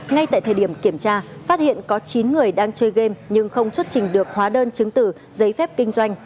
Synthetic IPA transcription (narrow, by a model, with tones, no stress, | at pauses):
ŋa˧jt̪a̰ː˧˨t̪ʰəː˨˩ɗi˧˩əmki˧˩əmt͡ɕaː˧faː˦˥t̚hḭ˧˨ənkɔ˨˦t͡ɕi˨˦nŋɨ˨˩əjɗaː˧ŋt͡ɕəː˧jɣe˧mɲɨ˧ŋxə˧wŋ͡mt͡ɕwə˦˥t̚t͡ɕï˨˩ŋ̟ɗɨ˨˩ək̚hwaː˨˦ɗəː˧nt͡ɕɨ˨˦ŋt̪ɨ˧˨˩ | zə˨˦jfɛ˦˥p̚kï˧ŋ̟zwa˧jŋ̟